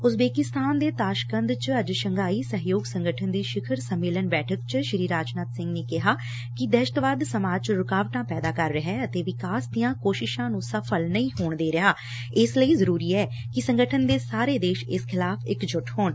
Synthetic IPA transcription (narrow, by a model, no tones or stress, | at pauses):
ʊsbeːkɪst̪aːnd̪eːt̪aːʃkə̃nd̪t͡ʃəd͡ʒʃəŋɡaːiːsəɦjoːɡsəŋɡəʈʰənd̪iːʃɪkʰəɾsəmːeːlənbɛːʈʰəkt͡ʃʃɾiːɾaːt͡ʃnət̪sɪ̃ŋɡneːkɪɦaː | kɪd̪ɛːʃt̪ʋaːd̪səmaːd͡ʒt͡ʃɾʊkaːʋʈãːpɛːd̪aːkəɾːəɦɛ̃ːət̪eːʋɪkaːsd̪ijãːkoːʃɪʃãːnũːsəpʰəlnəĩːɦoːɳd̪eːɾɪɦaː | ɪsləiːzəɾuːɾiːɛː | kɪsə̃ŋɡəʈʰənd̪eːsaːɾeːd̪eːʃɪskʰɪlaːpʰɪkd͡ʒʊʈhoːɳ